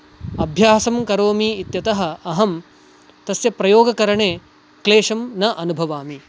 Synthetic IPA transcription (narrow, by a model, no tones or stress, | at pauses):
ɐbʱjaːsɐmkɐɾoːmiːt̪jɐt̪ɐɦɐ̆ɐɦɐm | t̪ɐsjɐpɾɐjoːɡɐkɐɾɐɳeː | kleːʂɐmnɐʔɐnubʱɐʋaːmi